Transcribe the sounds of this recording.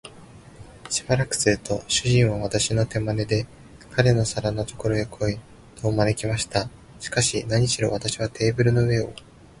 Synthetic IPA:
ɕibaɾakɯ̟̥sɨɾɯ̟t̪o̞ɕɨʑĩɰ̃β̞aβat̪aɕino̞t̪e̞mane̞d̪e̞ | kʰaɾe̞no̞saɾano̞t̪o̞̥ko̞ɾo̞ekʰo̞i | t̪ʰo̞mane̞kʲimaɕi̥t̪a | ɕi̥kaɕinaɲ̟iɕiɾo̞̰β̞at̪aɕiβ̞at̪ʰe̞ːbɯ̟ɾɯ̟no̞ɯe̞o̰

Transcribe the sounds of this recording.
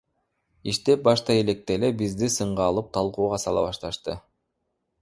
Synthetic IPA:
iʃt̪ep̚bɑʃt̪ɑelek̚t̪elebizd̪isɯɴʁɑːlˠɯp̚t̪ʰɑlˠquːʁɑsɑlˠɑ̰βɑʃt̪ɑʃt̪ɯ

